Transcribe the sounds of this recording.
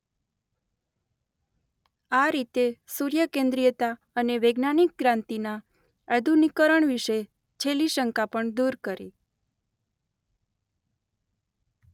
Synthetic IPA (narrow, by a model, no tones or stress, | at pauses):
aɾit̪esuɾjəkẽnd̪ɾijət̪a | əneʋeɡnanik̚ɡɾãnt̪ina | ad̪ʱunikəɾəɳʋiʃe | t͡ʃʰeliʃəŋkapəɳd̪uɾkəɾḭ